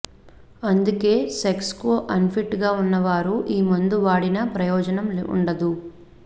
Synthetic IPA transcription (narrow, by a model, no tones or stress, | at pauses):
ɐnd̪uke̞ːsekskoːʔɐnpʰiʈːɡaːunːɐʋaːɾuʔiːmund̪uʋaːɽinɐpɾɐjɔːd͡ʒɐnɐmṵɳɖɐd̪u